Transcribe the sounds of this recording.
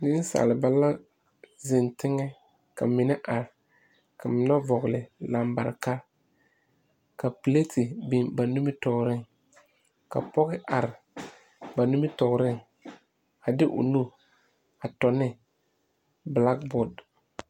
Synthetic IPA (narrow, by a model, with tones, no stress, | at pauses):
nɪ˦n˦sa̰˨lɪ˨ba˦la˦ | zɪ˨ntɪ˦ŋɛ˦ | ka˨mɪ˨nɛ˦ʔa˨ɾɪ˨ | ka˨mɪ˨na˦vɔ˨ɣlɪ˨la˨mba̰˨ɾka˦ | ka˨pi˨le˦tʰɪ˨bi˨nba˨nu˦mɪ˦tɔ˨ɡɾɪ˦ŋ | ka˨pɔ˦ɣɪ˦ʔa˨ɾɪ˨ | ba˨nu˦mɪ˦tɔ˨ɡɾɪ˦ŋ | a˨dɪ˦ʔʊ̰˨nu˦ | a˨tɔ˨nɪ˦ | bla˦k̚bɔ˦˨d